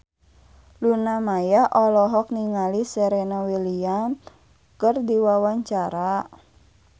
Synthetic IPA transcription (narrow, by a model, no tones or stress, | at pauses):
lunamajaʔɔlɔɦɔk̚niŋalisɛɾenɔweliam | kərdiwawaɲt͡ʃaɾa